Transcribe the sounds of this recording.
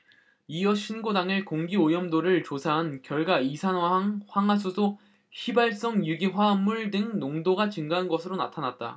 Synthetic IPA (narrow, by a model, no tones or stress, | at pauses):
ijʌɕʰinɡodaŋɯɭkoŋɡiojʌmdoɾɯɭt͡ɕosʰaɦankjʌɭɡwaisʰanwaɦaŋɸwaŋɦwas̬ʰusʰo | çibaɭs͈ʌŋjuɡiɸwamuɭdɯŋnoŋdoɡat͡ɕɯŋɡaɦnɡʌsʰɯɾona̰tʰanat̚t͈a̰